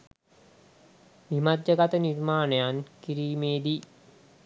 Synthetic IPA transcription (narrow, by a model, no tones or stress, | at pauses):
mimadːəɡat̪ənirmaːnejankiɾiːmeːd̪i